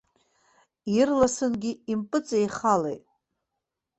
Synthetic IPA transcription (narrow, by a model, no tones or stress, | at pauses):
irlasɨnɡʲɪimpʼɨt͡sʼejχalḛjtʼ